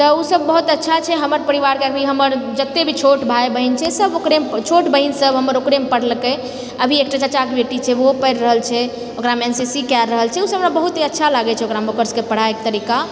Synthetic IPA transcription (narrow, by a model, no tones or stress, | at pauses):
t̪ɔusəbːəɦut̪ətːʃʰat͡ʃʰɛɦəməɾpəɾiʋaɾkakiɦəməɾd͡ʒət̪ːebʱit͡ʃʰoʈbʱaebəɦint͡ʃʰɛsəbokɾemt͡ʃʰoʈbəɦinsəbɦəməɾokɾempəɽlke | əbʱiek̚ʈat͡ʃat͡ʃakbeʈit͡ʃʰɛʋopəɾɾəɦəlt͡ʃʰɛ | okɾamensisikɛlɾəɦəlt͡ʃʰɛusəɦbɾabəɦut̪ɦiətːʃʰalaɡɛt͡ʃʰɛokɾamokəɾskepəɽ̤aek̚t̪əɾika